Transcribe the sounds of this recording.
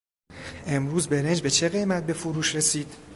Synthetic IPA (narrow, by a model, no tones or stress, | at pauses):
e̞mɾuːzbe̞ɾe̞nd͡ʒbe̞t͡ʃʰe̞ɣe̞jmæt̪̚be̞foɾuːʃɾe̞siːd̪̥